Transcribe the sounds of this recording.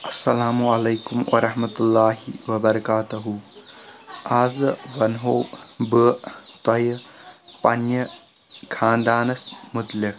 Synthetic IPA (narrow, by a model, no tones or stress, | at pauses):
ɐsːɐlaːmuɐlejkumwʔɐ̰ɾɐhmɐt̪ulːaːɦḭwɐbɐɾɐkaːt̪ɐɦu | aːzɨwɐnɦowbɯt̪ɐjɐpɐnjɐ | kʰaːnd̪aːnɐsmʊt̪lɪk̚